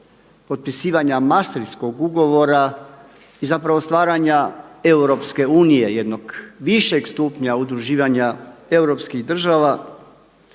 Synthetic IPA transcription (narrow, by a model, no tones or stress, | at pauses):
po̞t̪̚pisiːʋaɲamast̪ɾisko̞ɡuɡo̞ʋo̞ɾa | izapɾaʋo̞st̪ʋaːɾaɲae̞wɾo̞pske̞uːnije̞je̞d̪no̞ɡʋiʃe̞ɡst̪upɲaud̪ɾuʒiːʋaɲae̞wɾo̞pskiɣd̪r̩ʒaʋa